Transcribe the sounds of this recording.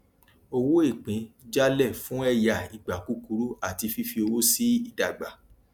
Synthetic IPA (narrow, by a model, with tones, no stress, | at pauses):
o˧wo˦e˦˨k͡pĩ˨˦d͡ʒa˦lɛ˦˨fũ˦ɛ˦˨ja˨i˨ɡ͡ba˨ku˨˦ku˨˦ɾu˦a˦˨ti˧fi˦fi˧o˧wo˦si˦i˦˨da˨ɡ͡ba˨